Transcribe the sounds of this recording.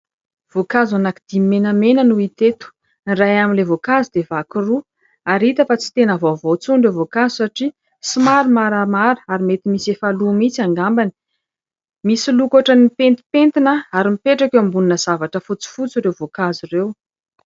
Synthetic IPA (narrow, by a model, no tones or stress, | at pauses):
v̥okazanakid̪immenəmenənuit̪et̪u̥ | rajaminlevokazud̪evakiru | aɾit̪əfat͡si̥t̪enəvovot͡suɳɖ͡ʐevokazisaʈ͡ʂi | simaɾimaɾamaɾə̥aɾimet̪imisefalumit͡siaŋɡambani̥ | misilukaʈ͡ʂənipent̪i̥pent̪inəaɾimipeʈ͡ʂakewambuninəz̥avaʈ͡ʂəfut͡si̥fut͡siɾevokazirew